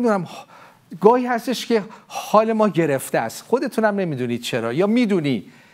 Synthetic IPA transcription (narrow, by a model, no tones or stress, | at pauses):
id̪unæm | ɡɒːhiːhæst̪eʃcʰe̞hɒːle̞mɒːɟe̞ɾeft̪eæ̰st̪xo̞d̪e̞t̪ʰunæmne̞miːd̪uniːd̪̥̚t͡ʃʰe̞ɾɒ̰ːjɒːmiːd̪uːni̥ː